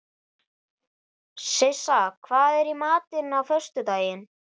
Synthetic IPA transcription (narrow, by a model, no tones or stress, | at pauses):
sɪsakʰvaːðɛɾimaːt̪ɪnawfœr̥st̪ʏt̪aːjɪn